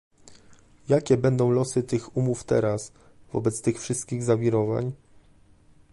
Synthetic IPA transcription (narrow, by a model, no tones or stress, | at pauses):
jakʲɛbɛnd̪ɔ̃w̃lɔsɘt̪ɘxumuft̪ɛ̰ɾas | vɔ̰bɛt̪st̪ɘxfʂɘst̪̚kʲiɣzavʲiɾɔva̰ɲ